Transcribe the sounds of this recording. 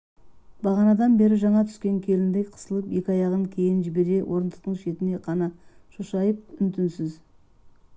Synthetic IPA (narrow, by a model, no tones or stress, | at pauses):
bɑʁɑnɑd̪ɑnbe̞ɾɪʒɑɴɑt̪ʰʏ̥skʲe̞ŋkʲʰe̞lɪnd̪ejqʰə̥səlˠəpje̞kʲɑjɑʁəŋkʲʰe̞jɪnʒɪbe̞ɾe̞wʔo̞ɾənd̪əq̚t̪əɴʃe̞t̪ɪne̞qʰɑnɑʃuʃɑjəp̚ʏnt̪ɪnsɪz